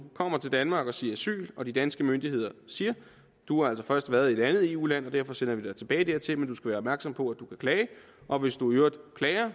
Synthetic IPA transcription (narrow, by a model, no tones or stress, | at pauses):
kʰɒ̽m̰ɐt͡sʰe̝ld̥ænmɑ̈ːɡ̥ɒ̽siːɐæsy̰ːlɒ̽d̥id̥ænsɡ̥əmønd̥ie̝ð̞̰ˠɐsiːɐ | d̥uhɑ̈æl̰sɒ̽fɶɐsd̥ʋæːɐðˠie̝d̥ænð̞̩ˠe̝ṵːlæn̰ɒ̽d̥æɐ̰fɒ̽sen̰ɐʋid̥ɑ̈ɪt͡sʰe̝b̥ɛːɪd̥eɐt͡sʰe̝lmend̥usɡ̥æʋæːɐɒ̽bmæɐɡ̥sɒ̽m̰pʰɒ̽æd̥ukʰækʰlɛːɪ | ʔɒ̽ʋe̝sd̥uøːɐd̥kʰlɛːɪɐ